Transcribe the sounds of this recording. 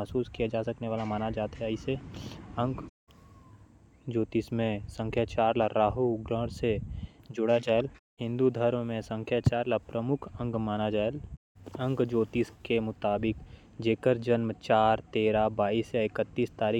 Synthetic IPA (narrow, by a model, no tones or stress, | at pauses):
ɦsuːskijad͡ʒaːsɐkneʋaːlamaːnad͡ʒaːt̪ɦɛaiseə̃ŋɡ | d͡ʒoːt̪ismẽsə̃ŋkʰjaːt͡ʃaːɾlaɾaːɦuɡɾə̃ːɽsed͡ʒʊɽad͡ʒaːelɦɪ̃nd̪ud̪ʱəɾmmẽsə̃ŋkʰjaːt͡ʃaːɾlapɾəmʊkʰə̃ŋɡmaːnad͡ʒaːel | ə̃ŋɡd͡ʒoːt̪iskemʊt̪aːbɪk | d͡ʒeːkəɾd͡ʒənmt͡ʃaːɾt̪eːɾabaːisjaɪkət̪ːiːst̪aːɾiː